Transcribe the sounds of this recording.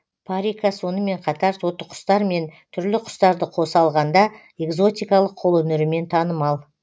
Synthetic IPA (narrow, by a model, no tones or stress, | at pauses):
pʰaɾʲijkaso̞nəme̞ɴqʰɑt̪ɑɾso̞t̪ːəqʰʊ̥st̪ɑɾme̞nt̪ʰʏɾlɪqʰʊ̥st̪ɑɾd̪əqʰo̞sɑlˠʁɑnd̪ɑ | e̞ɡzo̞t̪ijkɑlˠəqʰːo̞lˠɵnɪɾɪme̞nt̪ʰɑnəmɑlˠ